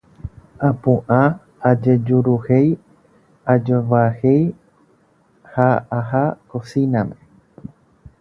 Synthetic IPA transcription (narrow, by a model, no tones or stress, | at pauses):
ãpũʔã | ad͡ʒe̞d͡ʒuɾuhej | ad͡ʒoʋahe̞j | haaɦakosinãmẽ